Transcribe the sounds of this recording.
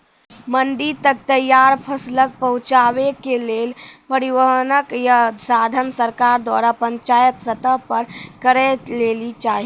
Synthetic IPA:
məɳɖit̪ək̚t̪əjːaɾpʰəslək̚pəɦũt͡ʃaʋekelelpəɾiʋəɦnəkjasad̪ʱənsəɾkaɾd̪wa̰ɾapəɲt͡ʃajət̪sət̪əpəɾkəɾət̪lelit͡ʃaɦi

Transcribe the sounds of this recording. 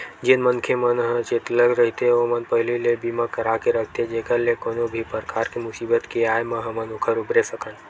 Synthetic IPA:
d͡ʒɪnmənkʰemənɦə̃t͡ʃet̪ləɡɾəɦit̪eomənpəɦɪlilebiːmakəɾakeɾəkʰt̪ed͡ʒeːkəɾlekoːnobʱipəɾkʰaːɾkimʊsiːbət̪kiaːjmə̃ɦɐmənʊkʰəɾʊbɾesəkən

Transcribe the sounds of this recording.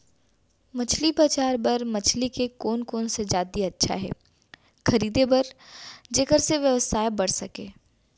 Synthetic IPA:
mɐt͡ʃʰlipɐt͡ʃaːɾbɐɾmɐt͡ʃʰlikekoːnkoːnsed͡ʒaːd̪iɐtːʃʰa̰ɦɛ̰ː | xɐɾiːd̪ebɐɾd͡ʒeːkəɾseʋjəʋəsaːjbɐɽ̤sɐkḛː

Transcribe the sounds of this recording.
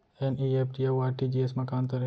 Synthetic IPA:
ɛniːep̚ʈieuaːɾʈiːd͡ʒiːesmɐkaːnt̪ɐɾ

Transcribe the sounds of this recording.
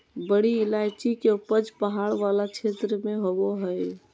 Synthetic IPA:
bəɽilajt͡ʃikeupəd͡ʒpəɦaɽʋalat͡ʃʰet̪ɾəmeɦoboɦəj

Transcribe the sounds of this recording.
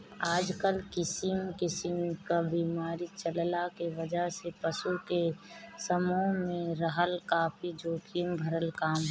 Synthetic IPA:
aːd͡ʒkəlkɪsɪmkɪsɪmkabiːmaːɾit͡ʃəllakeʋəd͡ʒəɦsepəsukesəmomẽɾəɦəlkaːpid͡ʒoːkiːmbʱəɾəlkaːmɦ

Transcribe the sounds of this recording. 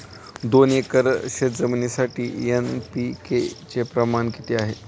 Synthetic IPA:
d̪onekəɾɕet̪d͡zəmnesaʈiːenpiket͡sepɾəmankit̪eaɦe

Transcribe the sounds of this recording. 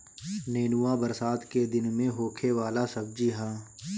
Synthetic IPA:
neːnuwabəɾsaːd̪ked̪ɪnmẽɦoːkʰeʋaːlasɐb̚d͡ʒiɦãː

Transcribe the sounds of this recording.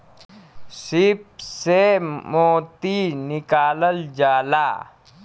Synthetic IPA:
sɪp̚semoːt̪inɪkaːləld͡ʒaːlaː

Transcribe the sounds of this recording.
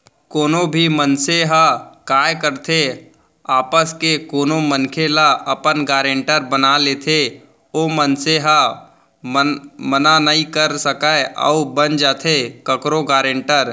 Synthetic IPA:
koːnobʱimənseɦakaːjkəɾt̪ʰe | aːpəskekoːnomənkʰelaɐpənɡaːɾẽɳʈəɾbənaleːt̪ʰe | oːmənseɦa | mmənanəĩkəɾsəkaeʔə̰ʊbənd͡ʒaːt̪ʰekəkɾoɡaːɾẽɳʈəɾ

